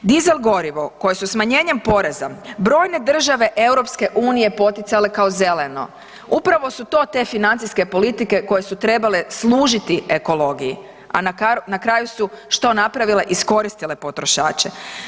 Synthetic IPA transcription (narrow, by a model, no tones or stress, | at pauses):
d̪ize̞lˠɡo̞ɾiʋo̞ko̞jesusmaɲe̞ːɲe̞mpo̞ɾe̞zabɾo̞ːjne̞d̪r̩ʒaʋe̞ʔe̞wɾo̞pske̞ʔuːnije̞po̞t̪it̪sale̞kao̞ze̞leno̞̰ | upɾaʋo̞sut̪o̞t̪e̞finant̪ijske̞po̞lit̪ike̞ko̞je̞sut̪ɾe̞bale̞slˠuːʒit̪ieko̞lo̞ɡiji | a̰nakanakɾaːjusuʃt̪o̞napɾaʋile̞ʔisko̞ɾist̪ile̞po̞t̪ɾo̞ʃa̰ːt͡ʃe̞